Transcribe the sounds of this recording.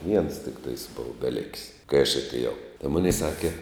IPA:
ʋʲiɛns tʲɪkˈtɐɪs ˈboːʋɐ bʲɛˈlʲɪkʲsʲ kɐɪ ɐʃ ɐtʲeːˈjɛʊ tɐɪ ˈmʊnʲɛɪ ˈsɑːkʲɛ

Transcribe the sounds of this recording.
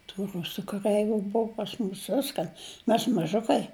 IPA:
tuː ˈrʊsʊ kɐˈrʲɛɪʋʲʊ ˈbʊʋʊ pɐs ˈmuːs ˈʋʲɪskɐn ˈmʲɛs mɐˈʒʊkɐɪ

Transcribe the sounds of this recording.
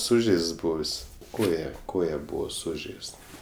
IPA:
ˈsʊʒʲɛɪsts ˈbʊʋʲɪs ˈkoːjɛ ˈkoːjɛ ˈbuːʋoː ˈsʊʒʲɛɪst

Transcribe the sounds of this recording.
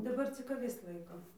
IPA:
dɐˈbɐr t͡sʲɪk ɐˈʋʲɪs ˈlˠɐɪkoːm

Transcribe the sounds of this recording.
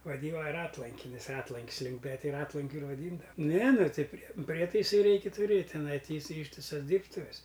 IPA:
ʋɐˈdʲiːnɐ ˈrɑːtlˠɐŋʲkʲɪnʲɪs ˈrɑːtlˠɐŋʲkʲs ˈlʲuːmʲpʲɛ tʲɪ ˈrɑːtlˠɐŋʲkʲʊ ɪr ʋɐˈdʲiːndɐʋɐ ˈnʲɛ ˈnʊ ˈtɐɪ ˈpʲrʲiɛ ˈpʲrʲiɛtɐɪsɐɪ ˈrʲɛɪkʲɪ tʊˈrʲeːtʲ tʲɪˈnɐɪ ˈtʲiː ɪˈsɐɪ ˈiːʃʲtʲɪsɐs ˈdʲiːrptʊʋʲɛs

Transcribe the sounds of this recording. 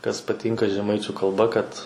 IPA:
kɐs pɐˈtʲiːŋkɐ ʒʲɛˈmɐɪt͡ʃʲʊ kɐlˠˈbɐ kɐt

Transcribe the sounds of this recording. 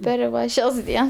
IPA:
ˈpʲɛr ʋɐ ˈʃʲɛs ˈdʲiɛns

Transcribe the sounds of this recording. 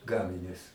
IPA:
ˈɡɑːmʲɪnʲʊs

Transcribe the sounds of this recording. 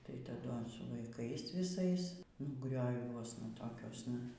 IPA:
tɐɪ tɐˈdʊ ɐns sʊ ʋɐɪˈkɐɪs ʋʲɪˈsɐɪs nʊ ɡrʲoːˈʋʲuɔsnɐ toːˈkʲuɔsnɐ

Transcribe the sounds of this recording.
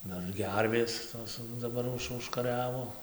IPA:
ˈdɐr ˈɡʲɛrʲʋʲeːs toːs dɐˈbɐr ˈʊʃ ʊʃkɐˈrʲæːʋoː

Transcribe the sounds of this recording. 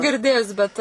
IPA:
ɡʲɪrʲˈdʲeːjʊs bʲɛt

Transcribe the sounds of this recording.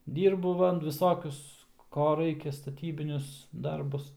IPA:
ˈdʲiːrbʊ ˈʋɐ ʋʲɪˈsoːkʲʊs ˈkoː ˈrɐɪkʲɛ stɐˈtʲiːbʲɪnʲʊs ˈdɐrbʊs

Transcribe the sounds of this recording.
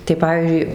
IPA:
tɐɪ ˈpɑːʋʲiːzʲd͡ʒʲʊɪ

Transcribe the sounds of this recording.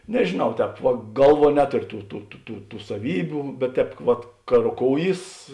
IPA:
nʲɛʒʲeːˈnɐʊ ˈtʲɛːp ʋɐ ˈɡɐlˠˌʋuɔ ˈnʲæːtoːrʲoː ˈtuː tuː tuː tuː tuː sɐˈʋʲiːbʲʊ bʲɛt ˈtʲɛːp ʋɐt kɐ roːˈkoːʊˌjiːs

